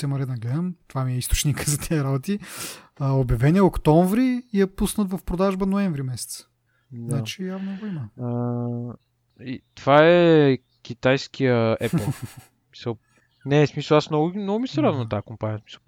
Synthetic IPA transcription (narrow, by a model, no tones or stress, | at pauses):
sɛmɐɾɛd̪ɐnɐɡlɛd̪ɐmt̪ovamiɛist̪o̥t͡ʃnikzɐt̪ʰɛəɾabot̪iəobjɐvɛniɛokt̪ɔɱvɾiːjɐpusnət̪vɐfpɾod̪aʒbənoɛ̃ɱvɾimɛsɛ̥t̪sə̥ | nat͡ʃijavnəɡoiməə | it̪ovaɛ | kʲit̪ajskʰijəɛplˠ | mi̥səlˠ | nɛsmisəlˠasmnɔɡʊnɔɡʊmisɛɾad̪vɐnɐt̪aakompaniəsmi̥sə̥lˠ